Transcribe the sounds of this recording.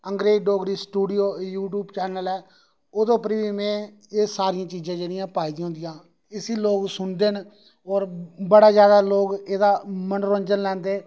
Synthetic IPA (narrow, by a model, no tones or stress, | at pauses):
əŋɡɾeːd͡ʒɖoːɡɾiːsʈuːɖɪjoːjuːʈ̬uːbt͡ʃɛːnəlɛː | oːd̪õːpəɾʋiːmɛ̃ː | eːsaːɾɪjãːt͡ʃiːzãːd͡ʒeːɽɪjãːpaːid̪ĩɦʊ̃ːnd̪ɪjãː | ɪsiːloːɡsʊnd̪eːn | ɔːɾbəɽaːzjaːd̪aːloːɡeːd̪aːmənɾoːɲd͡ʒənlɛ̃ːnd̪eː